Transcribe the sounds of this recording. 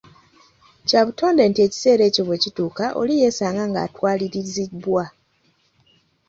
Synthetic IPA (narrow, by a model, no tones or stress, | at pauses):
caβuto̞ːndeːntie̞ːci̥se̞ːɾe̞ːcoβwe̞ːcituːkaʔo̞̰lije̞ːsaːŋɡaŋɡa̰ːtwaːliɾizibwa